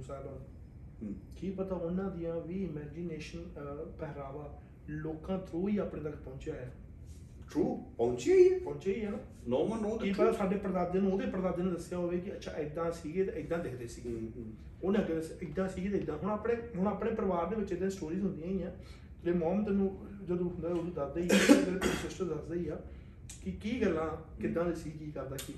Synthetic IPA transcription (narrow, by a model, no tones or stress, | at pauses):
saba | kiːpət̪aːʊnãːd̪ɪjãːʋiːɪmɛːd͡ʒɪneːʃənpɛɦɾaːʋaː | loːkãːt̪ɾoːiːaːpɽẽːd̪əkʰpɔ̃ːnt͡ʃjaːjaː | ʈʰɾuːpɔ̃ːt͡ʃiaiɛːpɔ̃ːnt͡ʃaːiːɛːna | nɔːmənoːd̪kiːpət̪aːsaːɖeːpəɾd̪aːd̪eːñːoːd̪eːpəɾd̪aːd̪eːnũd̪əsːɪjaːɦoːʋeːk̬ɪətːʃʰa̰ːʔɪd̪ãːsiːɡeːt̪eːɪd̪ãːd̪ɪkʰd̪eːsiːɡeː | oːnːãːkɪesɪd̪ãːsiːɡeːt̪ẽːɪd̪ãːɦʊɳ̃apɽeːɦʊɳəpɽeːpəɾəʋaːɾd̪eːʋəːt͡ʃeːd̪ãːsʈoːɾiːzɦʊ̃nd̪ijaːĩːãː | eːmɔːmt̪eːnũː | d͡ʒəd̪ũːɦʊnd̪aːod̪iːd̪ad̪eiːsɾeːt̪ʊsʊsʈəd̪əsd̪eiːaː | kɪkiːɡəlːãːkɪd̪ːãːʋ̪eːsiːɡkiːkəɾd̪aːkiː